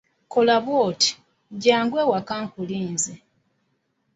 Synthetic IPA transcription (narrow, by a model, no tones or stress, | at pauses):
kolaβwoːti̥ | ɟaːŋɡwe̞ːwakaːŋkuliːnze